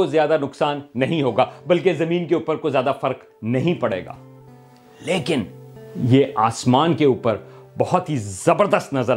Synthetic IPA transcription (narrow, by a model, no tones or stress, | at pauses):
ozjaːd̪anʊksaːnːɐɦĩɦoːɡaːbɐlk̬ezɐmiːnkeuːpəɾkozjaːd̪afɐɾq | nɐɦĩpɐɽ̤ḛːɡa̰ː | leːkɪnjeʔaːsmaːnkeuːpəɾbɐɦʊt̪ɦizɐbəɾd̪əst̪nɐzəɾ